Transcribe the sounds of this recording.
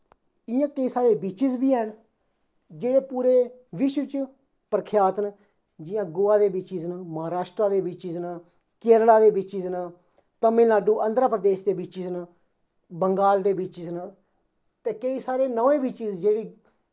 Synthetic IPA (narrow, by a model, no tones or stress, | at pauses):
ɪjãːkəiːsaːɾeːbiːt͡ʃɪzbiːɛn | d͡ʒeːɽeːpuːɾeːʋɪʃʋɪt͡ʃ | pəɾəkʰjaːt̪n | d͡ʒɪjãːɡʊːaːd̪eːbiːt͡ʃɪznməɦaːɾaːʃʈɾaːd̪eːbɪt͡ʃɪzn | keːɾɽaːd̪eːbɪt͡ʃɪzn | t̪əmɪ̃ːlaːɖuːʔãːnd̪ɾəpɾəd̪eːʃd̪eːbiːt͡ʃɪzn | bəŋɡaːld̪eːbiːt͡ʃɪzn | t̪eːkəiːsaːɾeːnəʋẽːbiːt͡ʃɪzd͡ʒeːɽiː